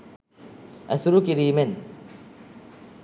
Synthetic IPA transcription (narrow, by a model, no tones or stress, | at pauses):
æsuɾukiɾiːmen